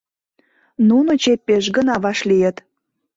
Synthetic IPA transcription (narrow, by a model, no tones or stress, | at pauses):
nunŏt͡ɕet̪̚peʃ̬ɡənɑβɑʃlijə̆t̪